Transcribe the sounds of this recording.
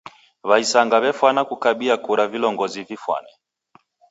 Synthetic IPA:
βaisaŋɡaβɛfwanakukaɓiakuɾavilɔŋɡɔzivifwa̰nɛ

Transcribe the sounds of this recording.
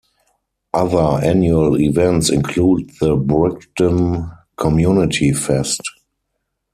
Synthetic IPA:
ʔaðə˞ænjuəlivɛ̃ntsɪ̃nkʰluːd̚ðəbɹɪktə̃nkʰɔmjunɪtʰifɛst

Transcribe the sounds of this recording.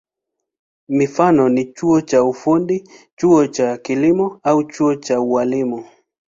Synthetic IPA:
mifanɔnit͡ʃuɔt͡ʃaufundit͡ʃuɔt͡ʃakilimɔaut͡ʃuɔt͡ʃaualimu

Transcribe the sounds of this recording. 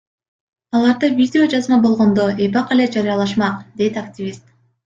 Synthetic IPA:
ɑlˠɑɾd̪ɯvʲidʲɪo̞d͡ʒɑzmɑbo̞lˠʁo̞nd̪o̞ʔebɑqe̞le̞d͡ʒɑɾijɑlˠɑʃmɑqd̪e̞jt̪aktʲivʲist̪

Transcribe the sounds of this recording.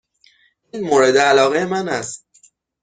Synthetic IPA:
iːnmoːɾe̞d̪eælɒːɣejemænæst̪̚

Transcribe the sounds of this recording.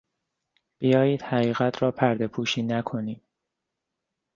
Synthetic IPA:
b̥ijɒːjiːd̪̥hæɣiːɣæt̪ʰɾɒːpʰæɾd̪e̞pʰuːʃiːnækʰo̞niːd

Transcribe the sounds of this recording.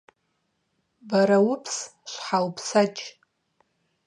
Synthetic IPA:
baɾawʊpʰsʃʷħawpʰsat͡ʃʼ

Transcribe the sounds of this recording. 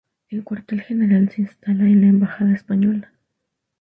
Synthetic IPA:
elkwaɾt̪elxeneɾalsinst̪alalambaxaðespaɲol

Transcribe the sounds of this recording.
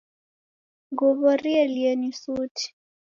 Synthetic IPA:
ɡɔβɔɾiɛliɛnisutʰi̥

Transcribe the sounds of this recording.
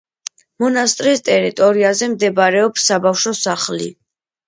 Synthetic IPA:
mɔnast̪ʼɾiːst̪ʼɛɾit̪ʼɔɾiazɛmd̪ɛbɾɛɔpsːabafʃɔsaχlḭ

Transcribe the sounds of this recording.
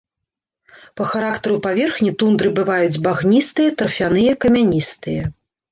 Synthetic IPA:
pɐxaɾakt̪ɐɾupavʲɛrxnʲit̪und̪ɾɨbɨvajud͡zʲbaɣnʲist̪ɨjɐt̪ɐrfʲanɨjɐkɐmʲanʲist̪ɨjɐ

